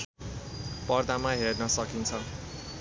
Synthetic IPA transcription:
pʌrd̪amaɦernʌsʌkint͡sʰʌ

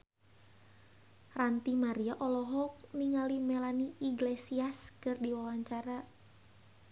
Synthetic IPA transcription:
rant̪imaɾiaʔɔlɔɦɔk̚niŋalimɛlaniiɡlesiaskɨrdiwawaɲt͡ʃaɾa

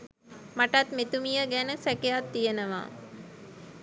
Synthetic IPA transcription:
maʈat̪met̪umijəɡænəsɛkejat̪ːijənəʋa̰ː

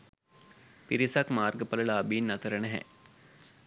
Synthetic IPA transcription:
piɾisakmaːrɡəpələlaːbiːnːɐt̪əɾənəɦɛ̰

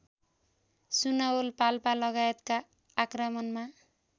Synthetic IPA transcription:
sunaolpalpalʌɡajet̪kaː | krʌmʌnma

